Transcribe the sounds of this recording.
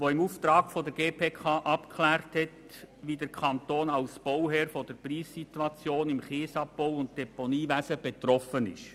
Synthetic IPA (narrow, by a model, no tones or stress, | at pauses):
ʋoɪmuft̪ɾɑːɡfodəɾɡ̥eːpʰeːkʰɑːʔɑpkʰlæːɾthɛt | ʋiːdəɾkʰɑntoːnɑlsb̥owɦɛːɾfod̥əɾpriːssitwɑt͡sjoːnɪmχeːsɑp̚poʊʊnt̚d̥ɛponiːʋæsəb̥et̪ɾɔfənɪ̰ʃ